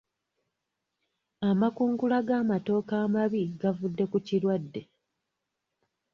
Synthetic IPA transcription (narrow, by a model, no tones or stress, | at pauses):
amakuːŋɡulaɡaːmato̞ːkaːmaβiɡavudːe̞kucilwadːe̞